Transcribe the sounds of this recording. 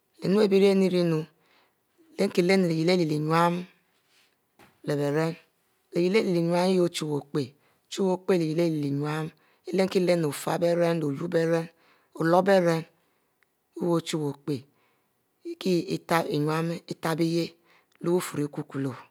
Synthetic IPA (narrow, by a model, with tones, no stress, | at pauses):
le˨nu˦e˦bi˦ɾe˦ni˦ɾi˦nu˨ | le˦ŋ˦ki˨le˦n˨le˨ji˨le˦li˨li˨ɲwa˦m˨ | le˨be˨ɾe˦n | le˨ji˨le˦li˨li˨ɲ˦a˦mi˦jo˦t͡ʃu˦wo˨k͡pe˨˦ | t͡ʃu˦wo˦k͡pe˦˨le˨ji˨le˦li˨li˨ɲwa˦m | e˦le˦ŋ˦ki˦le˦n˨o˨fa˦be˦ɾe˦nlo˨ju˦be˦ɾe˦n | o˨lo˦be˦ɾe˦n | u˦wo˨t͡ʃu˦wo˨k͡pe˨ | i˦ki˦i˦ta˦e˨ɲwa˦m˦i˦ta˦bi˦je˦ | lu˦u˦fu˨ɾi˨˦ku˦ku˨lo˨